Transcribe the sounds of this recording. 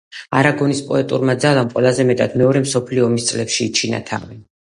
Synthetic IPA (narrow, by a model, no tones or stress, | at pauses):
aɾaɡɔnispʼɔɛt̪ʼuɾmad̪zalˠamqʼwɛlˠazɛmɛt̪ʼad̪̥mɛɔɾɛmsɔpʰliɔːmist̪sʼlɛpʃiːt͡ʃʰina̰t̪ʰa̰vi